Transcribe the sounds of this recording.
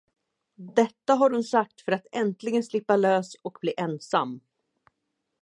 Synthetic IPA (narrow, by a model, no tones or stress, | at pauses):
d̪ɛt̪ːaɦaɾhʊnsak̚t̪fœɾat̪ɛnt̪lɪɡənslɪpːaløːsɔkbliːʔɛnsa̰mː